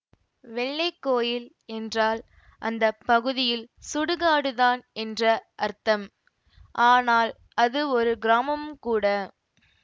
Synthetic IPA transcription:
ʋɛɭːɐɪkːoːjɪl | ɛndraːl | ʔɐnd̪ɐpːɐɣɯðɪjɪlsʊɽɯɣaːɽɯðaːnɛndrɐʔɐɾt̪ɐm | ʔaːnaːl | ɐðɯɔɾɯɡɪɾaːmɐmkuːɽɐ

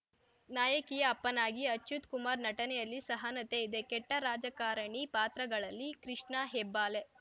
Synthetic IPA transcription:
naːjɐkijɐːpːɐnaːɡiɐt͡ʃːjut̪kumaːɾnɐʈɐnɛjɐlːisɐɦanɐt̪eid̪e̞kɛʈːɐɾaːd͡ʒɐkaːɾɐɳipaːt̪ɾɐɡɐɭɐlːikɾiʂɳɐɦebːaːle

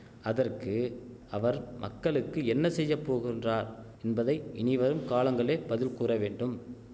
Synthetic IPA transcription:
ɐðɐrkɯ | ɐʋɐɾmʔɐ̰kːɐɭɯkːɯɛnːɐsɛjːɐpːoːɣɪndraːɾ | ɛnbɐðɐɪɪnɪʋɐɾɯmkaːɭɐŋɡɐɭeːbɐðɪlkuːrɐʋeːɳɖɯm

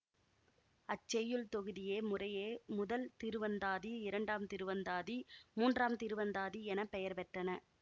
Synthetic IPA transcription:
ɐt͡ʃːɛjɯɭt̪ɔɣɯðɪjeːmʊrɐjeːmʊðɐlt̪ɪɾɯʋɐnd̪aːðiɪɾɐɳɖaːmt̪ɪɾɯʋɐnd̪aːðimuːndraːmt̪ɪɾɯʋɐnd̪aːðiɛnɐpːɛjɐɾpɛʈrɐnɐ

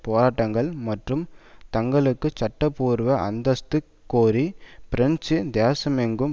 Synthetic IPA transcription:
poːɾaːʈːɐŋɡɐɭmɐʈrɯmt̪ɐŋɡɐɭɯkːɯt͡ʃɐʈːɐpːuːɾʋɐʔɐ̰nd̪ɐst̪ɯ | kːoːɾipɪɾɐɲt͡ʃɯd̪eːsɐmɛŋɡɯm

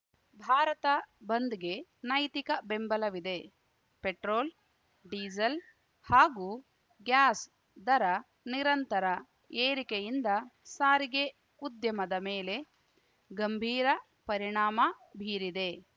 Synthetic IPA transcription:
bʱaːɾɐt̪ɐbɐnd̪iɡe̞nɐjt̪ikɐbe̞mbɐlɐʋid̪e̞ | peʈɾoːl | ɖiːd͡ʒɐl | haːɡu | ɡjaːs | d̪ɐɾɐ | niɾɐnt̪ɐɾɐ | eːɾikejind̪ɐsaːɾiɡe̞ | ud̪jɐmɐd̪ɐmeːle̞ | ɡɐmbʱiːɾɐ | pɐɾiɳaːmɐbʱiːɾid̪e̞

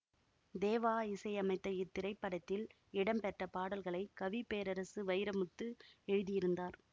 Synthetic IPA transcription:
d̪eːʋaːɪsɐɪɐmɐɪt̪ːɐjɪt̪ːɪɾɐɪpːɐɽɐt̪ːɪl | ɪɽɐmpɛʈrɐpaːɽɐlɣɐɭɐɪkɐʋipeːɾɐɾɐsɯʋɐɪɾɐmɯt̪ːɯɛɻɯðɪjɪɾɯnd̪aːɾ

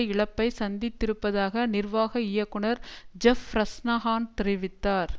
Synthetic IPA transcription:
ɪɭɐpːɐɪsɐnd̪ɪt̪ːɪɾɯpːɐðaːɣɐnɪrʋaːɣɐɪjɐkːɯɳɐɾd͡ʒɛfɾɐsnaːɦaːnt̪ɪɾɪʋɪt̪ːaːɾ

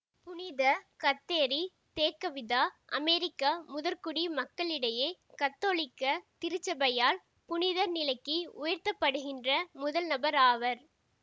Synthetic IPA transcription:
pʊnɪðɐkɐt̪ːeːɾi | t̪eːkːɐʋɪðaːʔɐmɛɾɪkːamʊðɐɾkʊɽimɐkːɐɭɪɽɐjeːkɐt̪ːoːɭɪkːɐt̪ɪɾɯt͡ʃːɐbɐjaːl | pʊnɪðɐɾnɪlɐɪkːiʊjɐɾt̪ɐpːɐɽɯɣɪndrɐmʊðɐlnɐbɐɾaːʋɐɾ

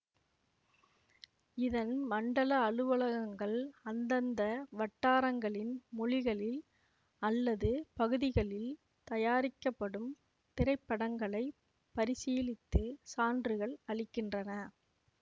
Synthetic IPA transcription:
ɪðɐnmɐɳɖɐɭɐːɻɯʋɐɭɐɣɐŋɡɐɭɐnd̪ɐnd̪ɐʋɐʈːaːɾɐŋɡɐɭɪnmʊɻɪɣɐɭɪl | ɐlːɐðɯpɐɣɯðɪɣɐɭɪl | t̪ɐjaːɾɪkːɐpːɐɽɯm | t̪ɪɾɐɪpːɐɽɐŋɡɐɭɐɪ | pɐɾɪsiːlɪt̪ːɯsaːndrɯɣɐɭɐɭɪkːɪndrɐnɐ

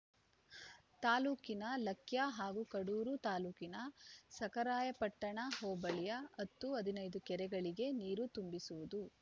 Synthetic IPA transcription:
t̪aːluːkinɐlɐkʰjaɦaːɡukɐɽuːɾut̪aːluːkinɐsɐkɐɾaːjɐpɐʈːɐɳɐɦoɔːbɐɭijɐɐt̪ːuɐd̪ʱinɐjd̪ukɛɾɛɡɐɭiɡe̞niːɾut̪umbisuʋud̪u

